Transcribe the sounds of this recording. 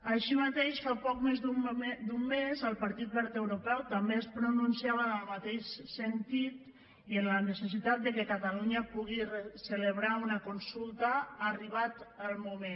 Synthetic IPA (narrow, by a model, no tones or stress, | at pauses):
əʃimat̪eʃfapɔkmezud̪umːezəlˠpaɾt̪it̪̚bɛɾt̪əwɾupɛwt̪ambeəspɾununsiaβənəlˠmat̪eʃsənt̪it̪ | iənlənəsəsit̪at̪̚d̪əkəkat̪aluɲəpuɣirəsələβɾaunəkunsulˠt̪əːriβ̞at̪əlˠmume